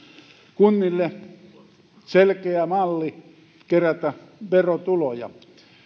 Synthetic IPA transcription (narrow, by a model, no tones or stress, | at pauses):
kunːilːe | selkeæmɑlːi | keræt̪æʋerot̪ulojɑ̰